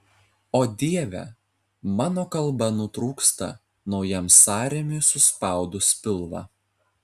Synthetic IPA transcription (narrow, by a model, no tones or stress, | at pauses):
oːd̪ʲiɛʋʲɛ̰ | mɑːnoːkɐlˠˑbɐnʊt̪ɾuːkst̪ɐ̰ | nɒʊjɛmsɑːɾʲɛmʲɪsʊspɑˑʊd̪ʊspʲɪlˠʋɑ̰